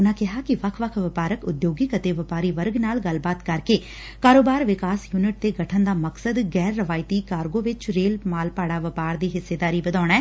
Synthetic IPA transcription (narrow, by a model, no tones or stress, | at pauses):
ʊnãːkɪɦaːkɪʋəkʰʋəkʰʋɪpaːɾəkʊd̪joːɡiːkət̪eːʋəpaːɾiːʋəɾɡnaːlɡəlbaːt̪kəɾkeː | kaːɾoːbaːɾʋɪkaːsjuːnɪʈ̚t̪eːɡəʈʰənd̪aːməksəd̪ɡɛːɾːəʋaːɪt̪iːkaːɾɡõːʋɪt͡ʃɾeːlmaːlpaːɽaːʋəpaːɾd̪iːɦɪsːeːd̪aːɾiːbəd̪aːɳ̃aɛː